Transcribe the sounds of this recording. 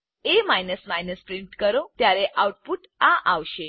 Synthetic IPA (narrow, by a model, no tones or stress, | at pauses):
emajnəsmajnəspɾimʈkəɾot̪jaɾeʔawuʈ̚puʈ | ãʔaʋʃe